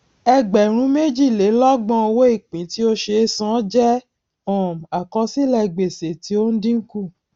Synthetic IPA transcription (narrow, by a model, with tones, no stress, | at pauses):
ɛ˧ɡ͡bɛ˨ɾ̃ũ˨˦me˦d͡ʒi˦˨le˨˦lɔ˦ɡ͡bɔ̃˧o˧wo˦i˦˨k͡pĩ˨˦ti˦o˦ʃe˧˦˧sã˨˦d͡ʒɛ˦ | ɔ̃˨m˨a˨kɔ̃˧˦si˦lɛ˦˧˨ɡ͡be˨se˨ti˨˦o˦n̩˦dĩ˦ŋ̩˦ku˦˨